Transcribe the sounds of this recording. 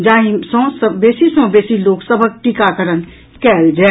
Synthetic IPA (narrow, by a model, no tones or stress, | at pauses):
d͡ʒaːɦĩsɔ̃səbeːsisɔ̃beːsiloːksəbʱək̚ʈikakəɾən | kɛld͡ʒa